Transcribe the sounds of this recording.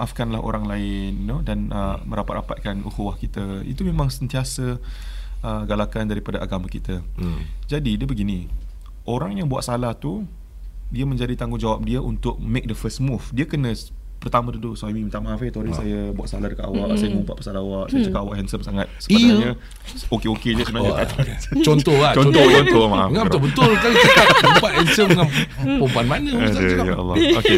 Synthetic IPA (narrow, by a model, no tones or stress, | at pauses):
ʔafkanlahʔo̰ɾaŋlaɪnːodanəməɾapat̪rapat̪̚kanṵkuwahkit̪aḭt̪umemãŋsənt̪iasə | ʔəɡalakandaɾipadaʔaɡamakit̪ad͡ʒadidiəbəɡini | ʔoɾaŋjaŋbua̰ʔsalaht̪u | diəmə̃ɲd͡ʒadit̪aŋɡʊŋd͡ʒawap̚diaʔunt̪ʊk̚mek̚dəfəsmufdiakənə̃ | pərt̪amə̃t̪ut̪usaimimit̪aʔmafet̪oɾisajəbua̰ʔsalahdəkat̪awaʔsajəməumpa̰ʔpəsalawaʔsajət͡ʃəkat̪awaʔhɛnsəmsaŋat̪̚sə̥naɲə | okeoked͡ʒəsunaiat̪aʔt̪at͡ʃɔnt̪ɔat͡ʃɔntt̪ɔt͡ʃɔnt̪ɔmaafŋabət̪ʊlbəʊlkakaəupaʔ̪hɛnsəmŋan | pəmpuanmanəkajaɔ̰lːˠɔoke